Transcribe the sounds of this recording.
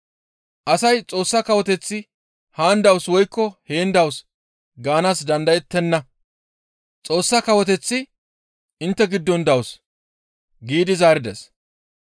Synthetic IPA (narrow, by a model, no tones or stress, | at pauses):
ʔɐsɐjt͡sʼo̞ːsːɐkɐwɔt̪ɛt͡sːɪ | haːnd̪ɐwswɔjkːɔheːnd̪ɐws | ɡaːnasd̪ɐnd̪ɐjɛt̪ːɛnːɐ | t͡sʼo̞ːsːɐkɐwɔt̪ɛt͡sːɪ | ʔɪnt̪ːɛɡɪd̪ːɔnd̪ɐws | ɡiːd̪ɪzaːɾɪd̪ɛs